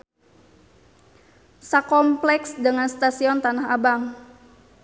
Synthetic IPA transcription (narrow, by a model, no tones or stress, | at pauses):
sakɔmplɛksdəŋanst̪asiɔnt̪anaɦabaŋ